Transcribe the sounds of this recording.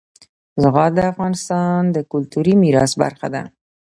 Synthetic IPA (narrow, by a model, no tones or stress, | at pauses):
zɣɑd̪əafɣɑnɪst̪ɑnd̪əkʊlt̪uɾimiɾɑsba̰ɾxa̰d̪a̰